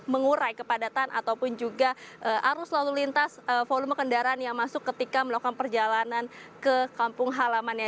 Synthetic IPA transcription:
məŋuɾajkəpadat̪ana̰t̪awpʊnd͡ʒuɡaʔəʔaɾʊslalulint̪asəfolʊməkəndaɾanjaŋmasʊkːət̪ikaməlokanpərd͡ʒalanankəkampʊŋɦalamanja

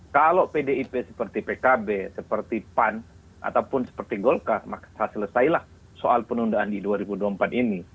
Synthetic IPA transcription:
kalopedeipɛsə̥pərt̪ipɛkabɛsəpərt̪ipan | ʔa̰t̪awpʊnsə̥pərt̪iɡɔlkarmakḁhasələsailah | sɔʔalpənundaandiduaɾibuduampat̪ini

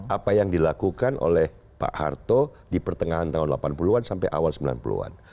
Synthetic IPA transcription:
ʔapajaŋdilakukanʔo̰lɛh | pa̰ʔha̰rt̪odipərt̪əŋaɦant̪aɦʊnla̰panpuluansampa̰jʔa̰walsəmbila̰npṵlṵa̰n

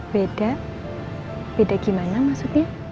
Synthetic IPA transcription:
b̥ed̥a | b̥edaɡ̥imanamasuk̚ɲa

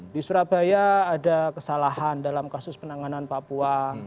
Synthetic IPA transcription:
disuɾab̥ajaːdakəsalaɦandalamkasʊspənaŋananpapua

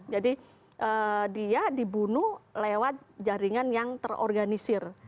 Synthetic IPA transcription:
d͡ʒadi | ʔədiadibunulewat̪̚d͡ʒaɾiŋanjaŋt̪ərɔ̰rɡanisɪr

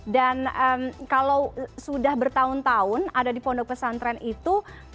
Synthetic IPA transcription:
danəmkalawsudahbərt̪aʊnt̪aʊnadadipɔndɔk̚pəsant̪ɾɛnit̪u

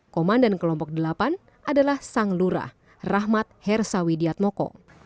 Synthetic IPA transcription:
kɔmandankəlɔmpɔk̚dəlapan | ʔadalahsaŋluɾa̰h | raɦmat̪̚hɛrsawidiat̪̚mɔkɔ̰

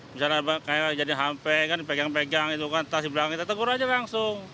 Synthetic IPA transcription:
bisalabakajakd͡ʒadiɦampɛkanipeɡaŋpeɡaŋit̪ukant̪asdiblakaŋkit̪at̪əɡʊɾad͡ʒalaŋsʊŋ

